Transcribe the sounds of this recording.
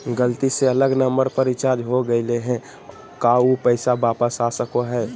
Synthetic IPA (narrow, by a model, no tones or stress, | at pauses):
ɡəlt̪iseɐləɡnəmbəɾpəɾɪt͡ʃaːɾd͡ʒɦoɡəɪleɦɛ̃ | kaupəɪsabaːpəsasəkoɦɛː